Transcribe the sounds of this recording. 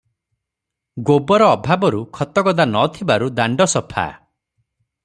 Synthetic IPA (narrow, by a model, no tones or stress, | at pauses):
ɡobɔɾɔːbʱabɔɾukʰɔt̪ɔɡɔd̪anɔt̪ʰibaɾud̪aɳɖɔsɔpʰa̰